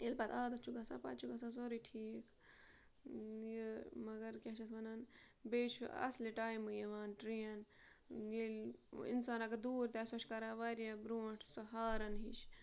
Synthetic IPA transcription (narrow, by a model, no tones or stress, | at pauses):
elpɐt̪aːd̪ɐt͡ʃʰuɡɐsa̰pa̰t̪̚t͡ʃʰuɡɐsas̬oɾiʈʰiːkʰ | jəmɐɡɐɾkʲat͡ʃʰɐsʋɐnan | beːt͡ʃʰṵɐ̰sliʈaːjmɨjeʋaːnʈɾijɐn | jelḭnsaːnɐɡɐɾd̪uːɾt̪aːsɐʃʰkɐɾaːʋaɾjabɾuːɐ̃ʈʰsɐɦaːɾɐnɦiʃ